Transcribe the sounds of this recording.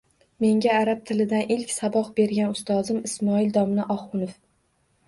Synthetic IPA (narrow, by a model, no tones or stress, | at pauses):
me̞ŋɡʲaːɾap̚t̪ʰɪlɪd̪anʔɪlkʲsabɒqbe̞ɾɡʲanʊst̪ɒzɪmɪsmɒɪld̪ɒmnɪʔɒhʊnof